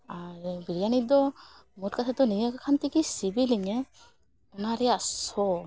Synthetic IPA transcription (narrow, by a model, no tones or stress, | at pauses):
aɾbiɾijanid̪ɔmutkatʰat̪ɔniŋakakʰant̪ikisibiliŋɛ | ɔnaɾɛasɔ